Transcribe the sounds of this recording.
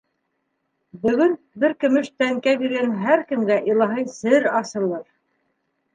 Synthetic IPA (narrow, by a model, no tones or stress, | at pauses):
bɵ̆ɡɵn | bɘɾkɵ̆mɘ̆ʃt̪æŋkæβiɾɡænɦæɾkɘ̆mɡæʔilˠɑɦɤjsɘɾɑsɤ̆lˠɤɾ